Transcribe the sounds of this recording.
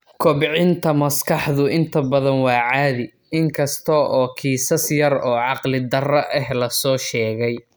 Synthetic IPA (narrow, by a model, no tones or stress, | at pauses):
kʰɔbʕɪnt̪ʰɐmɐskʰɑħðʊɪnt̪ʰɐbɐðɐnwɑːʕɑːðɪ | ɪŋkʰɐst̪ʰɔʔɔːkʰiːsɐsjɐrɔːʕɑqlɪd̪ɐrɐʔɛɦlɐsɔːʃɛːɣɛj